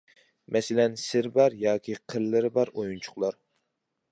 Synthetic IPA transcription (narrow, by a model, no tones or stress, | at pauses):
mʔɛsɪlɛnsɪɾbɑɾjɑːkʲʰiqʰəɾlːɪɾbɑɾojunt͡ʃʰʊ̥χlˠɑɾ